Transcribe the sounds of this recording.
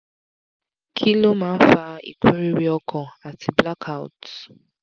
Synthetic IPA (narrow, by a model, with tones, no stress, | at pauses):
kʰi˦lo˦ma˨˦fa˦ḭ˨kʷe˦ɾi˦ɾi˦ɔ˦kʰɔ˨a˨tɪ˨bla˦kʰa˨ʊ̰˨t